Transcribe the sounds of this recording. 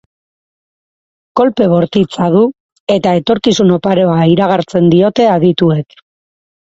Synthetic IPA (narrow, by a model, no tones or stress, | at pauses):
ko̞lpe̞βo̞ɾt̪it͡saðu | e̞t̪ae̞t̪o̞ɾkisuno̞paɾo̞aiɾaɣaɾt͡se̞nd̪io̞t̪e̞aðit̪ue̞k